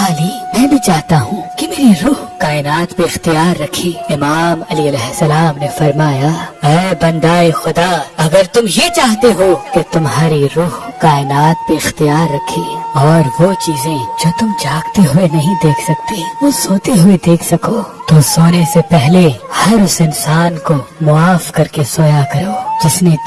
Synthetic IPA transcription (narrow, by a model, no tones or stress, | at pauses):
aːliːmɛ̃ːbʱĩt͡ʃaːɦt̪aɦũːkimeːɾiɾuːɦkaːɪnaːt̪peɪxt̪ijaːɾːɐkʰeɪmaːmɐliɐlɛːɦsɐlaːmnefɐɾmaːjaɛːbɐ̃nd̪aːexʊd̪aɐɡəɾt̪ʊmjet͡ʃaːɦt̪eɦoːket̪ʊmɦaːɾiɾuːɦkaːɪnaːt̪̚peɪxt̪ijaːɾːɐkʰːeɔːɾʋot͡ʃiːzẽd͡ʒoːt̪ʊmd͡ʒaːɡt̪eɦʊenɐɦĩd̪eːkʰsɐk̚t̪eʋoːsoːt̪eɦʊed̪eːkʰsɐkoːt̪osoːnesepɛɦlehɐɾʊsɪnsaːnkomʊaːfkɐɾkesoːjakɐɾoːd͡ʒɪsne